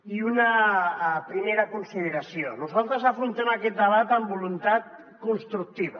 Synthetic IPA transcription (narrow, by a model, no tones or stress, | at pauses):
iuna | pɾimeɾakunsiðeɾasionuzalˠt̪ɾəzafɾunt̪ɛmakɛt̪̚d̪əβat̪ambulunt̪at̪ | kunst̪ɾuk̚t̪iβa